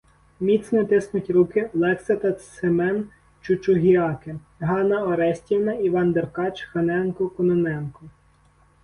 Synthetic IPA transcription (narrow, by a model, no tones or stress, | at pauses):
mʲit̪snɔt̪ɪsnʊtʲɾukɪlˠɛksɐt̪ɐsɪmɛn | t͡ʃʊt͡ʃʊɦʲiɑkɪ | ɦɑnɐɔɾɛsʲtʲiwnɐiʋɑnd̪erkɑt͡ʃxɐnɛnkɔkɔnɔnɛnkɔ